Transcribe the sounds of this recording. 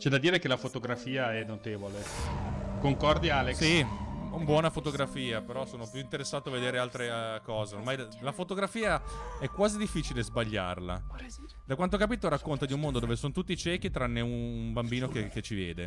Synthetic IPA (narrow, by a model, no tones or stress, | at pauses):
t͡ʃɛd̪ad̪iːɾekelafot̪oɡɾafiːaɛnot̪eːvole | koŋkɔrd̪iaalesiumbwɔːnafot̪oɡɾafiːapeɾɔsoːnopjuint̪eɾesːaːt̪oaved̪eːɾealt̪ɾekɔːzeormajlalafot̪oɡɾafiːaɛkːwaːzid̪ifːiːt͡ʃilezbaʎːa̰rla̰ | d̪akwant̪okapiːt̪oɾakːont̪ad̪iumond̪od̪oːvesonot̪ut̪ːit͡ʃɛːk̟it̪ɾanːeuumbambiːnokeket͡ʃːivjɛ̰ːd̪e